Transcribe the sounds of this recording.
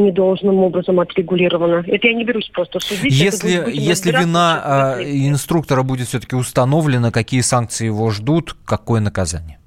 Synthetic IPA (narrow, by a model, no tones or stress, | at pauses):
nʲɪd̪o̞lˠʐnɨmo̞bɾəzəmɐt̪ɾʲɪɡʊlʲiɾəvənəɛt̪əjanʲɪbʲɪɾʲusʲpɾost̪əsʊdʲijʲjelʲɪjesʲlʲɪvʲɪna | ɪnst̪ɾuk̚t̪əɾəbudʲɪt̪fsʲɵt̪əkʲɪʊst̪ɐno̞vlʲɪnəkɐkʲijəsank̚t̪sɨɪjɪvo̞ʐd̪ut̪kɐko̞jənəkɐza̰nʲɪjə